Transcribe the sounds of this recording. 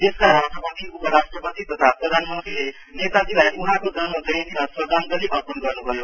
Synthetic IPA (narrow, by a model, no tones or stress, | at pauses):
t̪eskaɾasʈrʌpʌt̪iupʌɾasʈrʌpʌt̪it̪ʌt̪ʰaprʌd̪ʱanmʌnt̪ɾile | net̪ad͡zilajuɦãkod͡zʌnʌd͡zʌjnimʌswʌd̪ʱanɡ̪ʌɾibʌpʌnɡʌrnubʱʌjo